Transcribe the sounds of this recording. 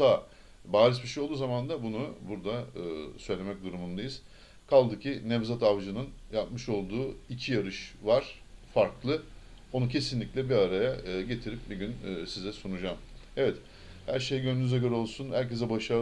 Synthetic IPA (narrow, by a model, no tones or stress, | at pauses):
a | baːɾisbiʃejolˠd̪uːzamand̪abunubuɾd̪aɯːsø̞jlʲe̞mɛc̚d̪uɾumund̪ajiz̥ | kʰalˠd̪ɯcʰinɛvzat̪avd͡ʒɯnɯnjap̚mɯʃo̞lˠd̪uːicʰijaɾɯʃvaɾ̥faɾklˠɯo̞nucʰe̞sinlʲiclʲɛbiaɾajaɯɟe̞t̪ʰiɾip̚biɟynːsizɛsunud͡ʒaːm | ɛvɛt̪ | hæɾʃejɟønynyzɛɟøɾɛo̞lˠsunhæɾcʰe̞zɛbaʃa